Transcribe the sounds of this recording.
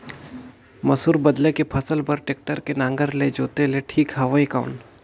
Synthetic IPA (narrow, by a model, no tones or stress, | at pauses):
mɐsuːɾbɐd̪lekepʰɐsəlpɐɾʈeːk̚ʈəɾkenãːŋɡəɾled͡ʒoːt̪eleʈʰiːkɦɐʋaikã̰ʊɳʈ